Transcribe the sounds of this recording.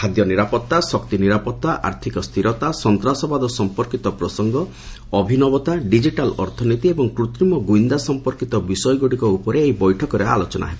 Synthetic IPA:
hʰad̪jɔniɾapɔt̪ːasɔkt̪iniɾapɔt̪ːaʔa̰ɾt̪ʰikɔst̪ʰiɾɔt̪asɔnt̪ɾasɔbad̪ɔsɔmpɔɾkit̪ɔpɾɔsɔŋɡɔ | ɔbʱinɔbɔt̪aɖid͡ʒiʈalɔ̰ɾt̪ʰɔnit̪iebɔŋkɾut̪ɾimɔɡuind̪asɔmpɔɾkit̪ɔbisɔjɔɡoɽikɔupɔɾeːɦibɔjʈʰɔkɔɾea̰lɔt͡ʃɔna̰ɦeb

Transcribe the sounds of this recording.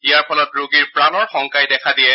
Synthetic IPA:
ijaɹpʰɔlɔtɹoɡiɹpɹanɔɹxɔŋkajdɛkʰadijɛ

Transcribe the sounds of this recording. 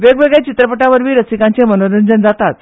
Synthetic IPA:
ʋeɡʋeɡɭet͡ɕit̪ɾəpəʈaʋəɾʋiːɾəsikãɲt͡semənoɾənd͡zənd͡zat̪at̪

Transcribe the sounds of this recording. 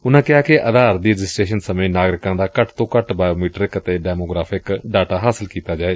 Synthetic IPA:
ʊnãːkɪaːkɪʔəd̪aːɾd̪iːɾɪd͡ʒɪsʈɾeːʃənsəmẽːnaːɡɾɪkãːd̪aːkəʈt̪õːkəʈbaːjoːmiːʈɾɪkət̪eːɖɛːmoːɡɾaːpʰɪkɖaːʈaːɦaːsɪlkiːt̪aːd͡ʒaːeː

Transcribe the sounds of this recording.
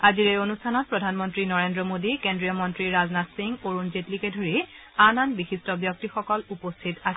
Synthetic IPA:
aziɹejonustʰanɔt̚pɹɔdʱanmɔntɹinɔɹendɹɔmodikendɹijɔmɔntɹiɹaznatsiŋɡoɹunzetlikɛdʱoɹi | ananbixistɔbjɔk̚tixɔkɔlupɔstʰitas

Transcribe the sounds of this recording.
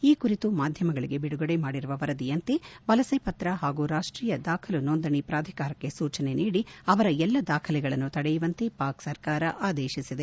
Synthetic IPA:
iːkuɾit̪umaːd̪ʱjɐmɐɡɐɭiɡe̞biɽuɡɐɽemaːɽiɾuʋɐʋɐɾɐd̪ijɐnt̪eʋɐlɐsɐjpɐt̪ɾɐɦaːɡuːɾaːʂʈɾiːjɐd̪aːkʰɐlunond̪ɐɳipɾaːd̪ʱi̥kaːɾɐkːe̞suːt͡ʃɐne̞niːɽiɐʋɐɾɐɛlːɐd̪aːkʰɐlɛɡɐɭɐnːut̪ɐɽejuʋɐnt̪epaːksɐɾkaːɾɐʔaːd̪eːʃisid̪e

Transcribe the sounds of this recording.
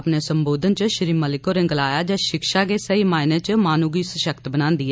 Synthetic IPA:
pneːsəmboːd̪ənt͡ʃəʃəɾiːməlɪkoːɾɪ̃ŋɡlaːjaːd͡ʒaːʃɪkʃaːɡeːsəiːmaːɪnẽːt͡ʃmaːnuːɡiːsəʃəkt̪bənãːnd̪iːɛ

